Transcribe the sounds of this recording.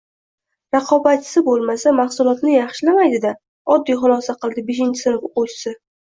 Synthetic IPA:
ɾɑqʰɒbat̪t͡ʃʰːɪ̥sɪbolˠmasamaχsʊlˠɒt̪nɪjɑχʃlamajd̪ɪd̪a | ɒd̪ːijχʊlˠɒsaqɨlˠd̪ɪbeʃɪnt͡ʃʰɪ̥sɪnɪpqossɪ

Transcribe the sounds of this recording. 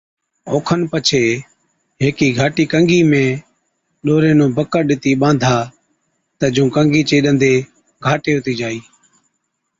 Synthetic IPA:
oːkʰənpət͡ʃʰeː | ɦeːkiːɡʱaːʈiːkəŋɡiːmẽː | ɗoːɾeːnõːbəkəɾɗɪt̪iːɓãːnd̪ʱaː | t̪əd͡ʒũːkəŋɡiːt͡ʃeːɗənd̪eː | ɡʱaːʈeːɦʊt̪iːd͡ʒaːiː

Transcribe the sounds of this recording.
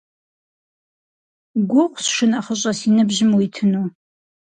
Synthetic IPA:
ɡʷʊqʷsʂɨnaχəɕʼɐsinɨbʑɪmwitʰɨnuː

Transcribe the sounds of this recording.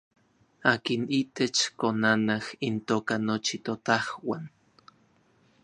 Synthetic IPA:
aːkinit̪et͡ʃkonanahint̪oːkanot͡ʃit̪ot̪ahwan

